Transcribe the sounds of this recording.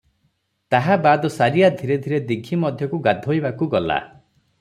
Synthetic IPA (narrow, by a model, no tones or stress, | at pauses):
t̪aɦabad̪ɔsaɾiad̪ʱiɾed̪ʱiɾed̪ikʰimɔd̪ʱjɔkuɡad̪ʱojbakuɡɔla̰